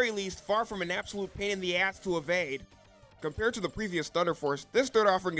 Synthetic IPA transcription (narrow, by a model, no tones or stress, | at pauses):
ilistfɑɹfɹʌ̃mɨ̃næb̥səlut̚pʰẽɪ̃ñɨ̃nðiæstʰəəveɪd̥̚ | kɨ̃mpʰɛɹd̚tʰɨðɨpʰɹ̥iviɨsθʌ̃ndə˞fɔɹsðɪsθɜ˞ɾɔfə˞ɪ̃ŋ